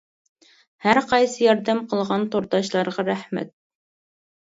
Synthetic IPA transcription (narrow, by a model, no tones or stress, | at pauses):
hæɾqɑjsɨjɑɾd̪ɛmqʰəlˠʁɑnt̪oɾt̪ɑʃlˠɑɾʁɑɾæhmɛ̰t̪̚